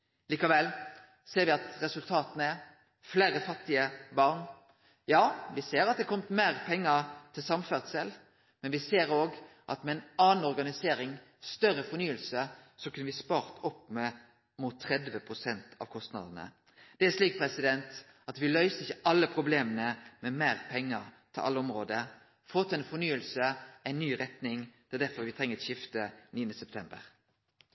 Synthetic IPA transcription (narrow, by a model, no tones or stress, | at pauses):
liːkɑʋɛlː | seːɾʋɪɑt̪ɾɛsʉlt̪ʰɑːt̪ənəæ | fleːɾəfɑt̪ːɪəbɑʁn | jɑːʋɪseːɾɑt̪̚d̪ɛkʰɔmət̪meːʁpʰɛŋːət̪ʰɪlsɑmfɛʁt̪sɛl | mɛnʋɪseːɾoːɡʔɑ̰t̪mɛɛnɑːnn̩ɔʁɡɑnɪseːɾɪŋ | st̪œɾːəfɔnyːəlsəsɔkʉnəʋɪspɑːʁt̪ɔpːmɛ | muːt̪ʰːʁɛd̪ʋəpʰʁʊsɛnt̪ʰɑ̰ʋkʰɔst̪nɑ̰d̪ənə̰ | d̪̥ɛæʂliːk̚pʰʁɛsɪd̪ɛnt̪ | ɑt̪ʋɪlœʏsəɪçːəʔɑlːəpʰʁʊbleːmənəmɛmeːʁpʰɛŋːəʁt̪ʰɪlʔɑ̰lːəɔmʁoːd̪ə | foːt̪ʰːɛnfɔnyːəlsəæɪnːyːɾɛt̪nɪŋt̪ʰɛld̪æɾfɔʁʋɪt̪ʰʁɛŋəɾt̪ɕɪft̪əniːənəsɛp̚t̪ʰɛmbə̰ʁ